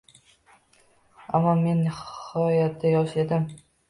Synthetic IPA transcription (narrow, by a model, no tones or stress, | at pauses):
a̰mːɒme̞nːɪhɒjat̪̚d̪ajɒʃed̪ɪm